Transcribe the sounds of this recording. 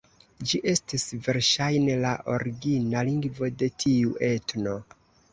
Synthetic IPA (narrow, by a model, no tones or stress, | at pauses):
d͡ʒiʔe̞stisve̞ɾʃajnelaʔo̞ɾiɡinaliŋɡvo̞de̞tʰiuʔe̞tno̞